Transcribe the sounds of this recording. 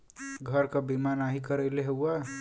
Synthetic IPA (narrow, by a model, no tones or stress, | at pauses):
ɡʱəɾkabimanaɦikəɾəɪleɦewa